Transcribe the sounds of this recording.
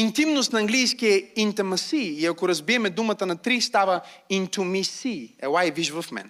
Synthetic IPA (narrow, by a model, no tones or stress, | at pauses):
int̪imnost̪nɐɐŋɡlijskiɛint̪ɛmɐsiːɐkoɾɐzbiɛmɛd̪umət̪ənɐt̪ɾist̪avɐint̪umisiɛ̰wajviʒvɐfmɛ̰n